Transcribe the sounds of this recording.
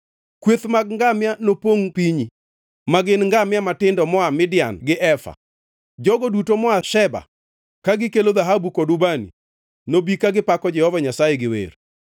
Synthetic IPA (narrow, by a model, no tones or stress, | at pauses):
kwet̪maɡ̚ŋɡamjanopoŋpiɲi | maɡɪnŋɡamjamatɪndɔmɔamɪdɪjanɡɪʔɛfa̰ | d͡ʒɔɡɔdutomɔaʃɛba̰ | kaɡɪkeloðaɦabukodʊbanḭ | nobikaɡɪpakɔd͡ʒɛhɔvaɲasajɛɡɪwḛɾ